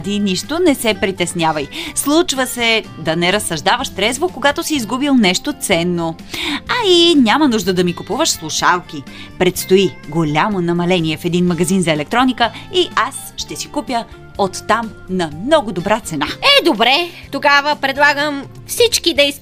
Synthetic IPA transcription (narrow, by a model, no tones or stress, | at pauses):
d̪iniʃt̪onɛsɛpɾit̪ɛsnʲjavɐjslˠut͡ʃvəsɛd̪ɐnɛɾɐsːɐʒd̪avəʃt̪ɾɛzvokoɡat̪osiːzɡubilˠnɛʃt̪ot̪sɛnːo | ɐinʲamənuʒd̪əd̪ɐmikupuvəʃslˠuʃalˠkipɾɛt̪st̪oiɡolʲamonɐmɐlɛnʲiɛfɛd̪inmɐɡɐzinzɐɛlɛk̚t̪ɾɔnikəiasʃt̪ɛsikupjə | ot̪ːam | nɐmnɔɡod̪obɾat̪sɛnaɛd̪obɾɛt̪oɡavəpɾɛd̪lˠaɡəm | fsit͡ʃkid̪ɛi